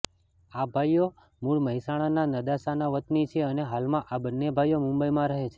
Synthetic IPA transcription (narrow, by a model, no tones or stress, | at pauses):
abʱajo | muɭməɦisaɽ̃ananəd̪asanaʋət̪nit͡ʃʰeəneɦalmãʔabənːebʱajomʊ̃mbəimãɾəɦet͡ʃʰe